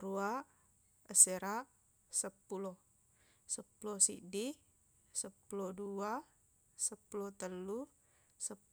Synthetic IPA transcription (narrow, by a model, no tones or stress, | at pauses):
ɾua | əseɾa | səpːulo | səpulosḭdi | səpːulodua | səpːulot̪əlːu | sə